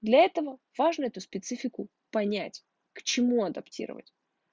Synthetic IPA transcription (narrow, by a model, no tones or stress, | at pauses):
d̪lʲɐɛt̪əvəvaʐnəɛt̪ʊspʲɪt̪sɨfʲɪkʊ | pɐnʲætʲ | kt͡ɕɪmuɐd̪ɐptʲḭɾə̰və̰tʲ